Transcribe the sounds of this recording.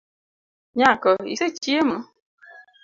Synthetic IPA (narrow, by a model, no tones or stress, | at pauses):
ɲãkəḭset͡ʃiemə